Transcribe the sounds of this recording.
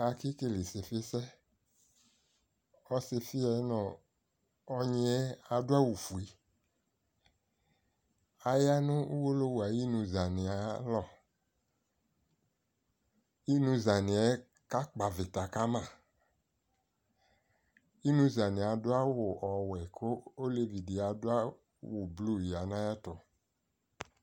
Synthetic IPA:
a˨ki˦ke˦le˨se˨fɪ˦sɛ˦ | ɔ˦se˧fi˦ɛ˨˦nɔ̃˨ | ɔ˦ɲĩ˦ɛ˦a˨dʊ˦a˦wu˨fu˨i˨˦ | a˨ja˦nʊ̃˦u˦wo˦lo˦wa˨ji˦nũ˧za˨nɪ̃˨a˨˦lɔ˦˨ | i˦nũ˧za˨nɪ̃˨ɛ˦ | ka˦k͡pa˨vɪ˨ta˨ka˦mã˦˨ | i˦nũ˧za˨nɪ̃˨a˨dʊ˦a˦wʊ˨ʔɔ˨wɛ˨kʰo˦o˦le˦vi˨di˨a˨dʊ˦a˦ | wʊ˨blu˦˨ji˨a˨nã˦ja˦tɔ˨

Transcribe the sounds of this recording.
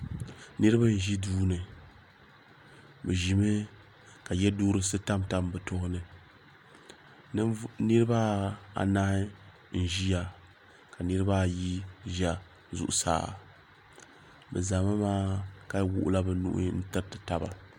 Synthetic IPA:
nɨ˦ɾɨ˦ba˦n̩˨ʒi˦duː˦nɨ˨ | bɛ˨ʒi˨mɨ˦ | ka˨jɛ˦duː˦ɾɨ˦sɨ˦ta˦mta˦mbɨ˨to˦hʊ˦nɨ˨˦ | nɨ˦ɾɨ˦ba˦a̰˨naː˦ɪ˦ | n̩˦ʒi˦ja˨ | ka˨nɨ˦ɾɨ˦ba˦˨ji˦ʒa˨ | zṵ˨ʔʊ̰˨sa̰ː˦˨ | bɛ̰˨za˨ma˦maː˦ka˦wṵ˦ʔʊ̰˦la˦bɨ˨nṵ˦ʔn̩˦tɨ˦ɾtɨ˨ta˨ba̰˨

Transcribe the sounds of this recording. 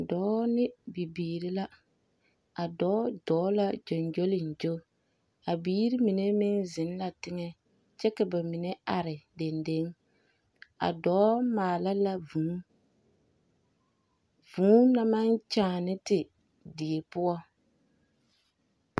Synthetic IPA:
dɔː˨˦nɪ˦bi˨biː˨ɾi˦la˦ | a˨dɔː˨˦dɔː˨˦la˦d͡ʒo˨nd͡ʒo˦lɪ˨n˨d͡ʒo˦ | a˨biː˦ɾi˦mi˨ne˦mɪ˦nzɪ˨˦n˦la˨tɪ˦ŋɛ˦ | t͡ʃɛ˦ka˨ba˨mɪ˨ne˦a˨ɾɪ˨de˨nde˦ŋ | a̰˨dɔː˨˦maː˨la˦la˦vu˨˦ | vuː˨˦na˦ma˦nt͡ʃaː˨nɪ˦tɪ˨ | di˨e˨pʊ˦ɔ˦

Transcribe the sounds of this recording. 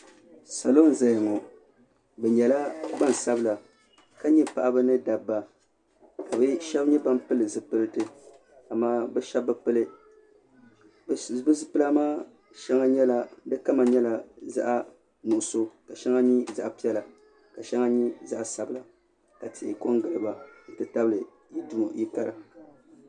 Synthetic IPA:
sa˨lo˦n˨za˨jŋɔ˨ | bɛ˨ɲɛ˨la˦ba˦˨n˨sa˦bɨ˦˨la˨ | ka˦ɲɛ˦pa˨ʔa˦bɨ˦nɨ˦da˨bːa˨ | ka˨bɨ˦ʃɛ˦bɲɛ˦ba˦mpɨ˦lɨ˨zɨ˨pɨ˦lɨ˦tɨ˦ | a˨maː˦bɛ˦ʃɛ˦b̚ːɛ˦pɨ˦lɨ˦ | bbɨ˦zɨ˦pɨ˦la˦maː˦ | ʃɛ˦ŋa˦ɲɛ˦la˦dɨ˦ka˦ma˨ɲɛ˦la˨za̰˦ʔa˦ | nʊ˨ʔʊ˨so˦ka˨ʃɛ˦ŋa˦ɲi˦za˦ʔpi˦ɛ˦la˨ | ka˨ʃɛ˦ŋa˦ɲi˦za˦ʔa˨sa˦bɨ˦la˨ | ka˨tɪ˨ʔɪ˨ko˦ŋɡɨ˨lɨ˨ba˨n̩˨tɨ˨ta˦bɨ˦lɨ˨ | ji˦du˦˨ji˦ka˨ɾa˨

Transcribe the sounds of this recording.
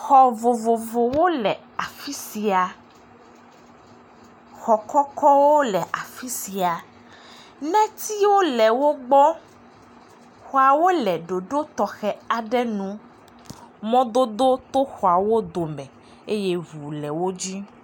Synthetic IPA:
xɔ˨vo˨vo˨vo˨wo˦lɛ˨ | a˨fi˦si˨a˨ | xɔ˨kɔ˦kɔ˦wo˦lɛ˨ʔa˨fi˦si˨a˨ | nɛ̃˦t̪i˦wo˦lɛ˨wo˦ɡ͡bɔ˦ | xɔ˨a˨wo˦lɛ˨ɖo˨ɖo˦t̪ɔ˨xɛ˦a˨ɖɛ˦nũ˨ | mɔ̃˦d̪o˦d̪o˦t̪o˦xɔ˨a˨wo˦d̪o˨mɛ̃˨ | e˦je˦ɦu˨lɛ˨wo˦d͡ʑi˦

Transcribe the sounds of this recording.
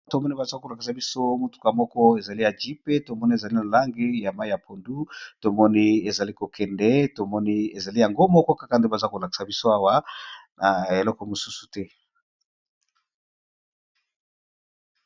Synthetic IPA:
to˨mɔ˦ni˦ba˨zko˨la˨ki˨sa˨bi˦so˦mo˨tu̥˦ka˨mɔ˦kɔ˦e˨za˨li˦ja˨d͡ʒi˦pe˦to˨mɔ˦ni˦e˨za˨li˦na˨la˦ŋɡi˦ja˨ma˦i˦ja˨po˨ndu˦to˨mɔ˦ni˦e˨za˨li˦ko˨kɛ˨ndɛ˦to˨mɔ˦ni˦e˨za˨li˦ja˨ŋɡo˦mɔ˦kɔ˦kḁ˦ka˨nde˦ba˨za˦ko˨la˨ki̥˨sa˨bi˦so˦a˦wa˦na˨e˨lɔ˦kɔ˨mo˨su˦su̥˨tɛ˦

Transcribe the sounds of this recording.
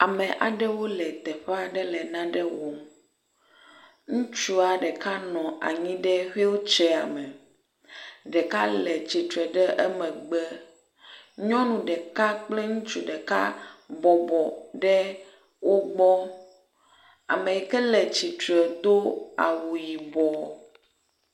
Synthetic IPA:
a˨mɛ̃˨ʔa̰˨ɖɛ˦wo˦lɛ˨t̪ɛ˨ɸa˦ɖɛ˦lɛ˨nã˦ɖɛ˦wɔ˨m | ŋũ˦t͡ʃu˦a˨ɖɛ˨ka˦nɔ̃˨a̰˨ɲĩ˦ɖɛ˦ɸe˦wo˦t͡ʃɛ˦a˨mɛ̃˨ | ɖɛ˨ka˦lɛ˨t͡ɕi˨t̪ɾɛ˨ɖɛ˦ʔɛ˦mɛ̃˨ɡ͡bɛ˦ | ɲɔ̃˦nũ˨ɖɛ˨ka˦k͡plɛ˦ŋũ˦t͡ʃu˦ɖɛ˨ka̰˦bɔ˨bɔ˨ɖɛ˦ | wo˦ɡ͡bɔ˦ | a̰˨mẽ˨jɛ˨kɛ˦lɛ˨t͡ɕi˨t̪ɾɛ˨d̪o˦a̰˨wu˨ji˨bɔ˨

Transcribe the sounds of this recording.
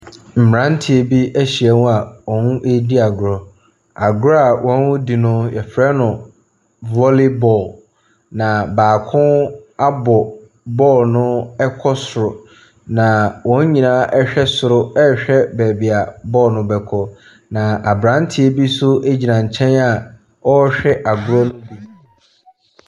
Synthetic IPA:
m̩˨mɾã˦n˦tʰi˨e˨bi˦æ˦ɕi˨ɛ˨nʊ̃˦a˨wɔ̃˨n˦ʔe˦di˦a˨ɡʊ˨ɾɔ˨ | a˨ɡʊ˦ɾɔ˦a˨wʔɔ̃˦nwʊ˦di˨nʊ̃˦jɛ˨fɾɛ˦nʊ̃˨ | vɔ˦le˦bɔ˨l | nã˨baː˨kʰʊ̃˦a˦bɔ˨ | bɔː˦˨lnʊ̃˦ɛ˦kʰɔ˦sʊ˨ɾʊ˨ | nã˨wɔ̃˨˦ɲ˦ɲĩ˨nã˦ʔɛ˦ɕᶣɛ˦sʊ˨ɾʊ˦ɛ˦˨ɕᶣɛ˦bɛː˨bi˨a˨bɔː˦˨nʊ̃˨bɛ˨kʰɔ˨ | nã˨ʔa˨bɾã˨˦n˦tʰɪ˦e˦bi˦sʊ˦e˦d͡ʑi˨nã˨ɲ̩˨t͡ɕʰɛ̃˦na˨ | ɔ˦ɕᶣɛ˦ʔa˨ɡʊ˦ɾɔ˦nʊ̃˦di˨ñ˦˨

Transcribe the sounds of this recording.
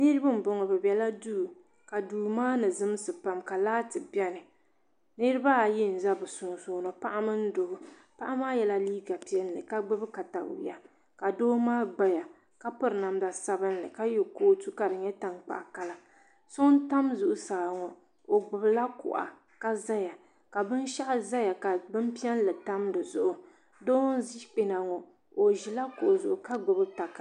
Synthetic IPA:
nɨ˦ɾɨ˦bɨ˦m̩˨bɔ˨ŋɔ˨bɛ˨bɛ˨la˦duː˦˨ | ka˨duː˨maː˦nɨ˨zɨ˦m˦sɨ˨pa˨mka˨laː˦tɨ˨bɛ˦nɨ˨ | nɨ˦ɾɨ˦ba˦˨jɪ˦n̩˨za˦bɨ˨sʊ˨ŋ˨soː˨nɔ˨pa˦ʔa˦mɨ˦n̩˦dʊ˨ɡʊ˨pa˦ʔa˦maː˦jɛ˨la˦liː˦ɡa˨pi˦ɛ˦n˦lɨ̰˨ka˦ɡ͡bɨ˦bɨ˦ka˨ta̰˨ja̰˨ | ka˨doː˦maː˦ɡ͡ba˦ja˨ | ka˦pɨ˦ɾɨ˨na˨mda˨sa˦bɨ˦n˦lɨ˨ka˦jo˨koː˦tu˦ka˨ɾɨ˨ɲɛ˦ta˨ŋk͡pa̰˨ʔa˨ka˦la˦ | so˦n˦ta˦mzʊ˨ʔʊ˨saː˨ŋɔ˨ | o˨ɡ͡bʊ˨bɨ˨la˦kʊ̰˨ʔa̰˨ | ka˦za˦ja˨ | ka˨bɨ˦n˦ʃa˦ʔza˦ja˨ka˨bɨ˦m˦pi˦ɛ˦n˦lɨ˨ta˦mdɨ˨zʊ˨ʔʊ˨ | doː˦n˦zi˦hk͡pe˨na˨ŋɔ˨ | o˨ʒi˨la˦kʊ˨ʔzʊ˨ʔʊ˨ka˦ɡ͡bɨ˨bɨ˦ta˨k

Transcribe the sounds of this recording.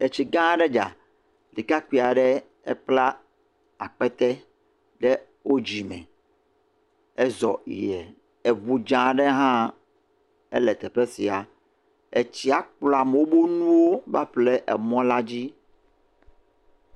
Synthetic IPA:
e˨t͡ɕi˨ɡã˦ɖɛ˦d͡ʒa̰˨ | li˨ka˦ki˨a˨ɖɛ˦ | ɛ̰˦k͡pla˦ | a˨k͡pɛ˦t̪ɛ˦ | ɖɛ˦ | wo˦d͡ʑi˨mɛ̰̃˨ | ɛ˦zɔ˨ḭ˨jɛ˨ | e˨βu˨d͡ʒã˨ɖɛ˦ɦã˦ | ɛ̰˦lɛ˨t̪ɛ˨pɛ˦si˨a˨ | e˨t͡ɕi˦a˨k͡plɔ˨a˨m˨wo˦bo˦nũ˦wo˦va̰˦ɸlɛ˦ʔɛ̰˨mɔ̃˦la˦d͡ʑi˦

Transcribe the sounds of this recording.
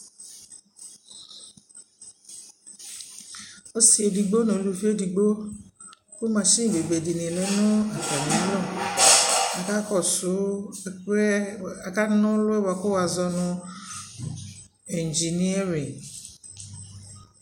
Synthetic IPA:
o˦si˦e˨di˨ɡ͡bo˦nõ˨lu˨˦fi˦e˦di˨ɡ͡bo˦ | ko˦mã˧ʃĩ˦˨be˨be˨di˨nĩ˨lɛ˨˦nʊ̃˦a˨fa˨nĩ˨˦lɔ˦˨ | a˨ka˦kɔ˦˨sʊ˨˦˨ | a˨ka˦nʊ̃˦lʊ˦ɛ˦wa˧ko˦wa˧zɔ˧nʊ̃˧ | ɛ˨n˨d͡ʒi˨ni˦a˦ɾi˨ŋ

